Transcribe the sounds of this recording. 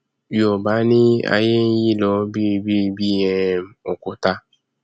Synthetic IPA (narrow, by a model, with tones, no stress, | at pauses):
jo˨ba˨˦nĩ˦a̰˧je˦n̩˦ji˦˨lɔ˧bi˦˧bi˦˧bi˦˨jɛ̃˧˨m˨o˨ko˨ta˧